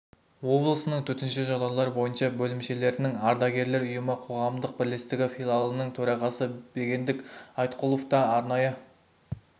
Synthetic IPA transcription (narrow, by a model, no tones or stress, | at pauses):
wo̞blˠəsənəɴt̪ʰɵt̪ɪnʃɪʒɑd̪ɑlˠɑɾbo̞jənʃɑbɵlɪmʃe̞le̞ɾɪnɪŋɑɾd̪ɑɡʲe̞ɾle̞ɾʊjəməqʰo̞ʁɑmd̪əq̚bɪɾle̞st̪ɪɡʲɪfʲilˠalˠənəɴt̪ʰɵɾɑʁɑsəb̥e̞ɡʲe̞nd̪ɪkɑjt̪qʰulˠo̞ft̪ɑːɾnɑjə